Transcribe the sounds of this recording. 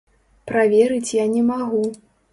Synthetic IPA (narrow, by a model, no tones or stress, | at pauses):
pɾavʲɛɾɨt͡sʲjanʲɛmaɣu